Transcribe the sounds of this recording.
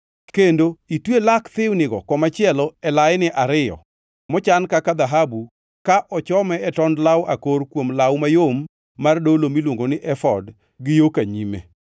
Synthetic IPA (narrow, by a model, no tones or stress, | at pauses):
kendoitwelakt̪ɪwnɪɡɔkɔmat͡ʃɪɛlɔɛlaɪnɪʔaɾɪjɔ̰ | mɔt͡ʃankakad̪aɦabu | kaʔɔt͡ʃɔmɛɛtɔndlawakoɾkwomlawmajomː | ardolomilwoŋɡonɪʔɛfɔd | ɡɪjokaɲimḛ